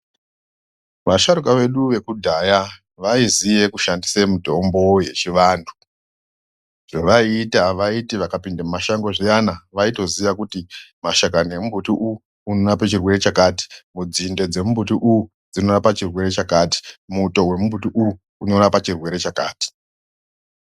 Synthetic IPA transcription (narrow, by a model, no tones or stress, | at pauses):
ʋaʃaɾukaʋe̞ɗuʋe̞kudʱaja | ʋaizije̞kuʃandisemudʱo̞mbo̞je̞̰t͡ʃiʋaːndʰu̥ | ʐ̥oʋaitaʋaitiʋakapindemumaʃaŋɡo̞ʐijanaʋaito̞ziʋakutimaʃakane̞mubʱutiʔuuː | nonapet͡ʃirwe̞ɾe̞t͡ʃakaːti̥mud͡zinde̞d͡ze̞mumbutiʔuu | d͡zino̞napat͡ʃirwe̞ɾe̞t͡ʃakati̥muto̞we̞mumbutiʔuuːno̞napat͡ʃirwe̞ɾe̞t͡ʃakaːti̥